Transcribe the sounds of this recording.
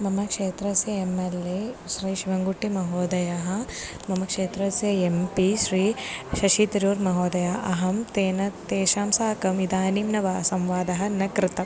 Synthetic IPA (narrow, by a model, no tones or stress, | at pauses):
mɐmɐkʂeːt̪ɾɐsjɐemeleʃɾiːʃiʋɐŋɡuʈːimɐɦoːd̪ɐjaːɦɐ | mɐmɐkʂeːt̪ɾɐsjɐempiʃɾiːʃɐʃit̪ɐɾjoːɾmɐɦoːd̪ɐjaːʔɐɦɐmt̪eːnɐt̪eːʃaːmsaːkɐmid̪aːniːmnɐʋaːsɐmʋaːd̪ɐɦɐ̆nɐkɾɪt̪ɐ